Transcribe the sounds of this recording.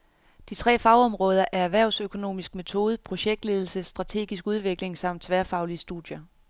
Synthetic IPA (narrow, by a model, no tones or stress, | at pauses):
d̥it͡sʰʁɛ̰ːfɑ̈ʊɒ̽mʁɔ̽ːð̞ˠɐʔæɐæʋæɐʊsøkʰo̝no̝̰ːmisɡ̥me̝t͡sʰo̝ːð̞ˠpʰʁo̝ɕeɡ̥̚d̥le̝ð̞ˠl̩səsːd̥ʁɑ̈t͡sʰe̝̰ːɡ̥isɡ̥uð̞ˠʋe̝ɡ̥le̝ŋsɑ̈m̰d̥sʰʋæːɐfɑ̈ʊliəsd̥ud̥ˠjɐ